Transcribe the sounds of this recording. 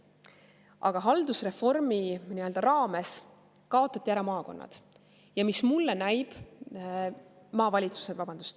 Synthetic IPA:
ʔɑɡ̥ɑɦɑld̪̥usre̞fo̞rminiø̞ld̪ɑɾɑːme̞s | kɑo̞t̪ˑːɑt̪ːiæɾɑmɑːko̞̰nːɑ̰d̪̥ | jɑmismulːenæjb̥ | mɑːvɑlʲit̪su̥sed̪vɑb̥ɑnd̪u̥st̪

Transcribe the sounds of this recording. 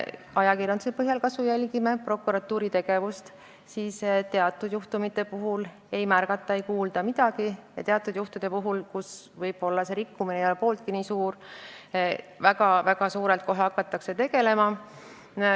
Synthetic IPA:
ɑjɑkirjɑnd̪̥usepɤɦjɑlkɑsvujælʲɡime̞pro̞kːˑuɾɑt̪ːuːɾit̪e̞ɡ̥e̞vust̪ | siːst̪e̞ɑt̪ːˑud̪̥juht̪umit̪ːˑe̞puɦul | e̞jmærɡ̥ɑt̪ːˑɑejkuːld̪̥ɑmid̪ɑɡ̥ijɑ̰t̪eɑt̪ːˑud̪̥juht̪ud̪̥e̞puɦulkus | vɤjb̥o̞lːɑse̞ɾikːuminejolepo̞ːlt̪̚kiniːsuːr | væɡɑvæɡ̥ɑsuːɾe̞lt̪̚ko̞ɦeɑkːˑɑt̪ːˑɑkse̞t̪e̞ɡe̞le̞mɑ

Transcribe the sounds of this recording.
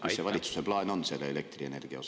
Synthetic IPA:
issːeʋɑlʲit̪su̥seb̥lɑenonseleelek̚t̪rienerɡ̥iɑ̰o

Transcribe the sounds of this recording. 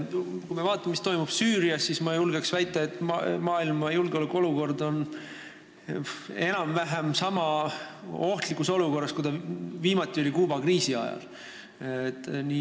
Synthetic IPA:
kujmevɑːt̪ːˑɑmmːist̪o̞jmub̥syːɾiɑsːismɑjulɡeksvæjt̪ːˑeet̪ːˑmɑːilmɑjulɡeo̞lɛkːˑo̞luko̞rd̪o̞n | e̞nɑmvæɦemsɑmɑ | o̞ht̪likːˑuso̞luko̞rːɑskud̪̥ɑviːmɑt̪ːˑio̞lʲikuːbɑkriːsiɑ̰jɑ̰l | et̪ːni

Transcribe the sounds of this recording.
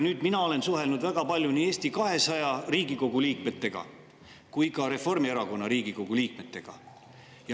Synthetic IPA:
nyːd̪̥minɑo̞le̞nsuɦe̞lnud̪væɡ̥ɑpɑlʲjuniːe̞ːsʲt̪ikɑɦe̞sɑjɑriːɡ̥iko̞ɡ̥uliːk̚me̞t̪ːˑe̞ɡ̥ɑ̰ | kujkɑɾe̞fo̞rmieɾɑko̞nːɑɾiːɡ̥iko̞ɡ̥uliːkme̞t̪ːˑe̞ɡ̥ɑ̰ | jɑ

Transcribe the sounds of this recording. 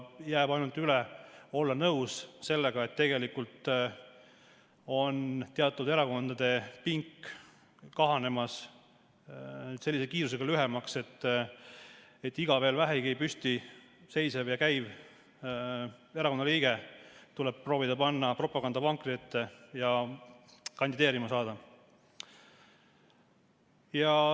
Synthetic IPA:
jæːbɑjnult̪ylɛo̞lːɑnɤwsse̞lːeɡ̥ɑe̞t̪ːe̞ɡ̥e̞likult̪ | o̞nt̪eɑt̪ːˑud̪e̞ɾɑko̞nd̪̥ɑd̪̥e̞piŋkː | kɑɦɑne̞mɑs | se̞lːisekiːɾus̬e̞ɡ̥ɑlyɦemɑkse̞t̪ː | e̞t̪ːiɡ̥ɑve̞ːlvæɦeɡipysʲt̪i | se̞jsevjɑkæjv | e̞ɾɑko̞nɑliːɡ̥et̪ulɛb̥pro̞ːvid̪ɑpɑnːɑpro̞pːˑɑɡɑnd̪̥ɑpɑŋkˑriet̪ːˑejɑ | kɑnd̪id̪e̞ːɾimɑsɑːd̪̥ɑ | jɑ

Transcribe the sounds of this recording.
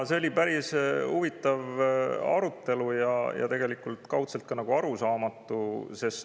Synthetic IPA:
se̞olʲipæɾisuvit̪ːˑɑvɑ̰ɾut̪ːˑe̞lujɑjɑ̰t̪e̞ɡe̞likult̪kɑwt̪se̞lt̪̚kɑnɑɡ̥uɑɾusɑːmɑt̪ːˑuse̞st

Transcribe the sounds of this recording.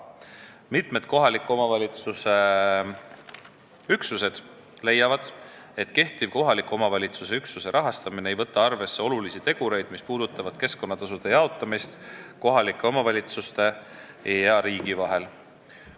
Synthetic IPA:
mit̪ˑme̞d̪̥̚ko̞ɦɑlikːˑuomɑvɑlʲit̪suse̞ | yksuse̞d̪̥ | le̞jːɑvɑd̪̥ | e̞t̪ke̞ht̪ivko̞ɦɑlikːˑuo̞mɑvɑlʲit̪suse̞yksuse̞ɾʔɑɦɑst̪ɑmineejvɤ̞t̪ːˑɑɑrve̞sːe̞o̞lulisit̪e̞ɡ̥uɾe̞jd̪̥mispuːd̪̥ut̪ːˑɑvɑd̪̥̚ke̞sko̞nːɑt̪ɑs̬ud̪̥e̞jɑot̪ˑːɑmist̪ko̞ɦɑlikːˑeo̞mɑvɑlʲit̪sust̪e̞ | eeɑɾiːɡ̥ivɑɦe̞l

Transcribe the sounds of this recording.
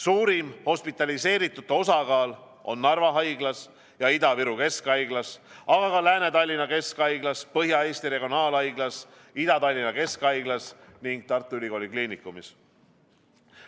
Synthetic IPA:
suːɾimho̞spit̪ːˑɑlise̞ːɾit̪ːˑut̪ːˑo̞sɑɡɑːl | o̞nːɑrvɑɦɑjɡ̥lɑs | jɑid̪ɑviɾuke̞skɑjɡ̥lɑsɑɡ̥ɑkɑlæːne̞t̪ɑlʲːinɑke̞skɑjɡ̥lɑspɤɦjɑe̞ːst̪iɾe̞ɡ̥io̞nɑːlɑjɡlɑs | id̪ɑt̪ɑlʲːinɑke̞skɑjɡlɑsniŋɡ̥̚t̪ɑrt̪ːˑuylʲiko̞ːlʲikliːnikːˑumis

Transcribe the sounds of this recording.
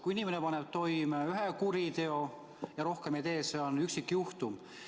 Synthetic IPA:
kuinimenepɑnep̚t̪o̞jmeyɦekuɾit̪e̞o | jɑɾo̞hkemit̪e̞ːseonyksikːjuht̪um

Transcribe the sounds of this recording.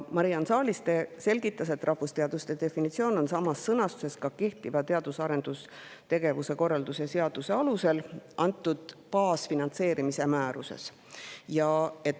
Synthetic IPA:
mɑɾijɑnsɑːlʲist̪ese̞lʲɡ̥it̪ːˑɑs̬e̞t̪ːrʔɑhvust̪e̞ɑd̪ust̪et̪e̞finit̪sio̞ːno̞nsɑmɑsːɤnɑst̪u̥se̞skɑke̞ht̪ivɑt̪e̞ɑd̪̥usɑɾe̞nd̪̥ust̪e̞ɡ̥e̞vuse̞ko̞rːɑld̪usese̞ɑd̪̥use̞ɑluse̞lʔɑnt̪ːˑud̪̥pɑːsfinɑnt̪se̞ːɾimise̞mæːɾuse̞̰s | jɑe̞t̪

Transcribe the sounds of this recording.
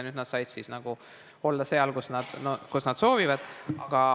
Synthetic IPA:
nyd̪nɑd̪sɑjd̪̥sisnɑɡ̥u | o̞lːɑseɑlkusnɑd̪̥nokusnɑd̪̥so̞ːvivɑd̪̥ɑɡ̥ɑ

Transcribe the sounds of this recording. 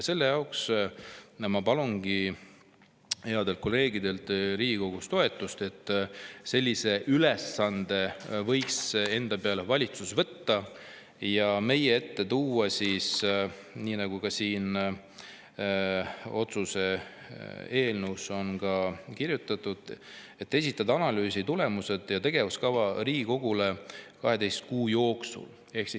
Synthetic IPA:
se̞lːe̞jɑwks | mɑpɑlunɡ̥i | he̞ɑd̪e̞lko̞lːeːɡid̪e̞lt̪ɾiːɡiko̞ɡ̥ust̪o̞e̞t̪ːˑust̪e̞t̪ˑːse̞lʲːise̞ʔylesːɑnd̪̥e̞vɤ̞jkse̞nd̪̥ɑpeɑlvɑlʲit̪susvɤ̞t̪ːɑ | jɑme̞jee̞t̪ːe̞t̪uːwɑsis | niːnɑɡ̥ukɑsiːn | o̞t̪suse̞ | e̞ːlnuwso̞nkɑkirjut̪ːˑɑt̪ːˑud̪̥ | e̞t̪ːˑe̞s̬ʲit̪ːˑɑd̪ɑɑnɑlyːsit̪ule̞muse̞d̪̥jɑt̪e̞ɡ̥e̞vuskɑvɑɾiːɡiko̞ɡ̥ule̞kɑɦe̞d̪e̞jst̪̚kuːjo̞ːksṵl | e̞hksi

